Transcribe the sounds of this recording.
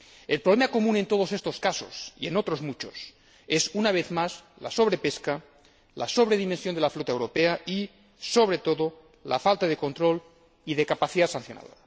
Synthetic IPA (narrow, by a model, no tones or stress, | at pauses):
e̞lpɾoβ̞lemako̞mũne̞nt̪o̞ð̞ose̞st̪o̞skaso̞̰sḭe̞̰no̞t̪ɾo̞zmut͡ʃo̞s | e̞sunaβ̞e̞θmas | la̰so̞βɾe̞pe̞ska | la̰so̞βɾe̞ðimẽnsjond̪elaflot̪ae̞wɾo̞pe̞ai | so̞βɾe̞t̪o̞ðo | la̰falt̪aðe̞ko̞nt̪ɾo̞l | iðe̞kapaθiðasanθjo̞na̰ðoɾa